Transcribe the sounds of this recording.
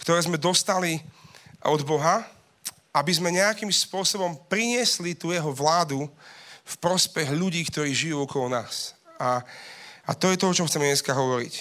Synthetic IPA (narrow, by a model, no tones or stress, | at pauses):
kt̪ɔɾɛːzmɛd̪ɔst̪ali | ɔd̪bɔɦa | abizmɛɲɛakimspʊɔsɔbɔmpɾiɲɪɛslit̪uːjɛɦɔʋlaːd̪ufpɾɔspɛɣʎuɟiːkt̪ɔɾiːʒijuːɔkɔlɔnaːsa | a̰t̪ɔjɛt̪ɔɔt͡ʃɔmxt͡sɛmɛɲɛskaɦɔʋɔɾḭc